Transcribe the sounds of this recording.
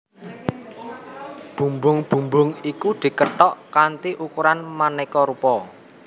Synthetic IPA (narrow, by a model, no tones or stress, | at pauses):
b̥ṳmbʊŋb̥ṳmbʊŋikud̪̥i̤kəʈɔʔkant̪iʔukuɾanmanɛkɔɾupɔ